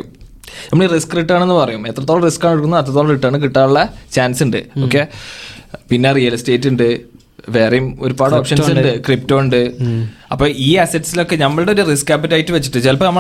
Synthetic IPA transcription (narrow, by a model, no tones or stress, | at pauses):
nɐmːɐɭiriskːriʈːaːɳe̞nːɨpɐrɐjumet̪rɐt̪ːoɭɐriskːaːɳeɽkunɐðet̪̬ːrɐt̪ːoːɭɐriʈːɐːɳɨk̬iʈːaːɭuɭːɐt͡ɕaːnsuɳɖɨ̰oːkːe | pinːerijɐlste̞ːtːuɳɖɨ | ʋe̞ːrejumo̞ɾubaːɽɨoːpʂɐnsuɖɨkrip̚to̞ːɳɖɨɐpːo̞ːʔiːɐsɐtːsilokːe̞nɐmːɐɭɽeoɾuriskːɐpɐtːajitːɨʋet͡ɕːiʈːɨt͡ɕɐlpɐnɐmːɐ